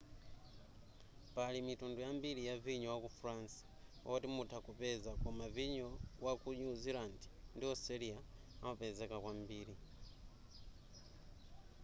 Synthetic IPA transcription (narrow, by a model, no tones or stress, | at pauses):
palimitundujambiɾijaviɲɔwakufuɾansḁwa̰kutimutʰakupɛzakɔmaviɲɔwakuɲuzilandindiɔsɛɾija | amapɛzɛkakwambiːɾi